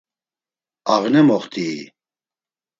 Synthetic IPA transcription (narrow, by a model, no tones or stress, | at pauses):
aʁnɛmɔχt̪ʼiː